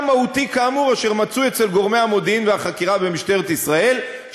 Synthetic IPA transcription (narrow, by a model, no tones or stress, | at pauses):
mahut̪ikaːmuʁaʃe̞ʁmat͡sue̞t͡se̞lɡo̞ʁmejhamo̞d̪iinveaχakiʁabemiʃt̪e̞ʁet̪isʁae̞l